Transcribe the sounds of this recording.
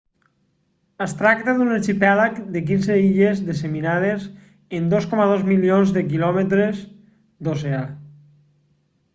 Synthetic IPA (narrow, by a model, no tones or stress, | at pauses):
əst̪ɾak̚t̪aðuneɾt͡ʃipɛlakd̪ek̬inzeiʎezðəs̬eminað̞ez | end̪oskɔmaðozmilionzðəkilɔmət̪ɾez | d̪osea